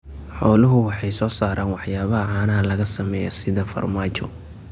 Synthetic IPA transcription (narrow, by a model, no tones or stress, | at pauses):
ħɔlʊɦʊwɑħɑjsɔːsaːɾaːnwɑħjaːβɐɦɐʕɑːnɐɦɐlɐɣɐsɐmɛːjɔ̰sɪðɐfɐ̰rmaːt͡ʃɔ̰